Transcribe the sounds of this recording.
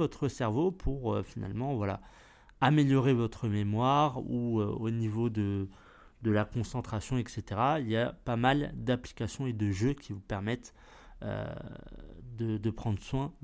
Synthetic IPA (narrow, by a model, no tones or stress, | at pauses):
vɔt̪χəsɛʁvopʰuʁøfina̰lmɑ̃vwala̰ | ameljɔʁevɔt̪χəmemwaʁuøonivod̪ə | d̪əlakɔ̃sɑ̃t̪χasjɔ̃ɛkset̪eʁailjapamald̪apli̥kʲasjɔ̃ed̪əʒøkʲivupɛʁmɛt̪ | ø̰ | d̪əd̪əpχɑ̃d̪ʁəswɛ̃